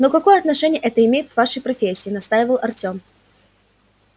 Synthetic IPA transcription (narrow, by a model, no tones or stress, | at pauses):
nokɐko̞jəɐt̪nɐʂɛnʲɪjəʔɛt̪əɪmʲejɪt̪kvaʂəjpɾɐfʲesʲːɪːnɐst̪ajɪvəlˠʔɐrtʲom